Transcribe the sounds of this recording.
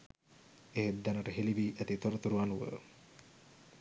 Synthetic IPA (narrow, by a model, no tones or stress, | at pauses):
eɦed̪ːænaʈəɦeliʋiːʔæt̪it̪oɾət̪uɾuanuʋə̰